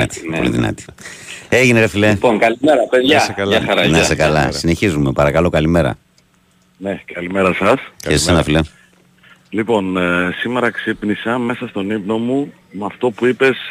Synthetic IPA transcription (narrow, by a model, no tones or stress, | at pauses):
ɐ̰t̪i̥po̰lḭðḭnɐ̰t̪i̥ | eʝineɾɐfilepoŋkɐlimeɾɐpeðʝɐɐlɐsɐɾɐnesekɐlɐ̰ssineçizume̞pɐɾɐkɐlo̞kɐlime̞ɾɐ̰ | nekɐlimeɾɐsɐsçeisenɐfile | lipo̞nsime̞ɾɐksipnisɐme̞sɐst̪o̞nipno̞mu | mɐft̪o̞puipe̞s